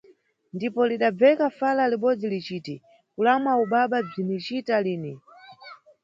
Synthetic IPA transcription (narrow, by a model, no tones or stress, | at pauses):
ndipɔliɗab͡vɛkafalaliɓɔd͡zilit͡ʃiːti | kulamauɓaɓab͡ʐinit͡ʃitaliːni